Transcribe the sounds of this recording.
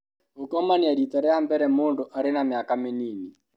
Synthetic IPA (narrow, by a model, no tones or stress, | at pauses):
ukɔmaniadit̪aɾɛambɛɾɛmundʊʔaɾɪnamɪakamɪnini